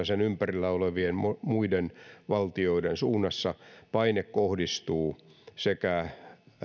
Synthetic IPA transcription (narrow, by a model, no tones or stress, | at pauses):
ɑsenympærilːæoleʋienomuidenʋɑlt̪ioidensuːnːɑsːɑpɑinekkohdist̪uːsekæ